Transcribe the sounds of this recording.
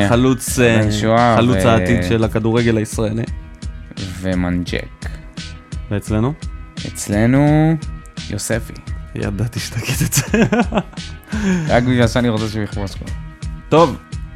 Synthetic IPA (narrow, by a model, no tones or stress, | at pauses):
alut͡snʃuaχalut͡saːt̪imʃelakad̪uʁeɡelaisʁaelḭ | vemand͡ʒḛk | veːt͡sle̞nuḛt͡slenu | josefḭja̰d̪at̪iʃe̥t̪aket̪ez̥ | ʁakbiʃasaniʁot͡seʃebiχposko̰t̪o̞v